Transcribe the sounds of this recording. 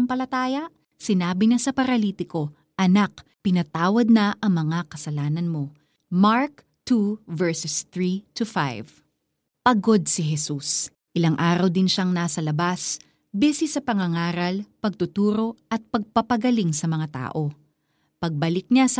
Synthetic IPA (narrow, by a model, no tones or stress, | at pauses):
ŋpɐlɐt̪aːjɐʔ | sɪnaːbɪɲasɐpɐɾɐliːt̪ɪko̞ | ʔɐnakpɪnɐt̪aːwɐd̪̚nɐʔɐŋmɐŋakɐsɐlaːnɐnmo̞ | maɹk | t̪uvɛɹsɛst̪ɹit̪ufa̰jv | pɐɡo̞d̪̚sɪɦɛsus | ʔɪlaŋʔaːɾɐwd̪ɪnʃaŋnaːsɐlɐbas | bɛsisɐpɐŋɐŋaːɾɐlpɐɡ̚t̪ʊt̪uːɾo̞ʔɐt̪̚pɐɡ̚pɐpɐɡɐliŋsɐmɐŋat̪a̰ːʔo̞ | pɐɡ̚bɐlɪk̚ɲas